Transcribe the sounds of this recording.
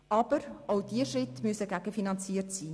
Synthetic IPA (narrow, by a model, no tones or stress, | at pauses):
ʔɑb̥əɾʔaʊdiəʃrɪtmyəsəɡæɡ̥əfinɑnt͡siːərtsiː